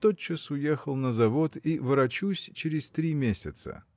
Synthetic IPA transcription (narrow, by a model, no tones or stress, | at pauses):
t̪ot͡ɕːɪsʊjexəlˠnəzɐvo̞t̪ivɨɾɐt͡ɕusʲt͡ɕɪɾʲɪsʲt̪ɾʲimʲesʲɪt̪sə̰